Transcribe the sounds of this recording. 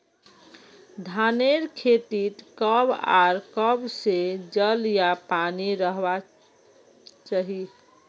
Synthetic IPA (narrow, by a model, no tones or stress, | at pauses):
d̪ʱaneɾkʰet̪it̪kəba̰ɾkəbsed͡ʒəljapaniɾəɦba | t͡ʃaɦi